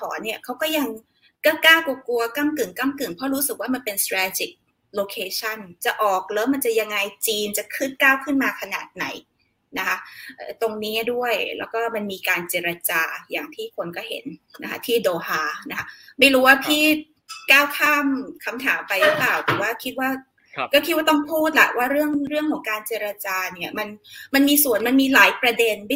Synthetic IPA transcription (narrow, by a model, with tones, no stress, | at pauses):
tʰɔː˩˦nːi˥˩ɐkʰa˦˥wkɔː˥˩ja˧ŋ | kaː˥˩kaː˥˩wku˧ɐku˧ɐka˥˩mkɯ˨˩ŋka˥˩mkɯ˨˩ŋpʰɔ˦˥ɾuː˦˥sɯ˨˩k̚waː˥˩ma˧npe˧nst̪ɾɛː˧t͡ɕi˨˩k̚ | loː˧kʰeː˧t͡ɕʰa˥˩nt͡ɕa˨˩ʔɔː˨˩k̚lɤː˦˥ma˧nt͡ɕa˨˩ja˧ŋːa˧jt͡ɕiː˧nt͡ɕa˨˩kʰɯ˥˩t̪̚kaː˥˩wkʰɯ˥˩nmaː˧kʰa˧naː˨˩t̪̚na̰˩˦j | na˦˥kʰa˦˥ʔːt̪o˧ŋniː˦˥du˥˩əjlɛː˦˥wkɔː˥˩ma˧nmiː˧kaː˧nt͡ɕeː˨˧ɾa˧t͡ɕaː˧ja̰ː˨˩ŋt̪ʰiː˥˩kʰo˧nkɔː˥˩ɦḛ˨˩˦nna˦˥kʰa̰˦˥t̪ʰiː˥˩doː˧haː˧na˦˥kʰa˦˥ma˥˩jɾuː˦˥waː˥˩pʰiː˥˩ | kaː˥˩wkʰaː˥˩mkʰa˧mt̪ʰa̰ː˩˦mpa˧jɾɯ˦˥plaː˨˩wt̪ɛ˨˩˦waː˥˩kʰi˦˥t̪̚waː˥˩ | kɔː˥˩kʰi˦˥waː˥˩t̪ɔ˥˩ŋpʰuː˥˩t̪̚la̰˧˩ʔwaː˥˩ɾɯ˥˩əŋɾɯ˥˩əŋkʰɔː˩˦ŋkaː˧nt͡ɕeː˧ɾa˧t͡ɕaː˧ni˥˩ɐma˧nma˧nmiː˧su˨˩ənma˧nmiː˧laː˩˦jpɾa˧de˧n˥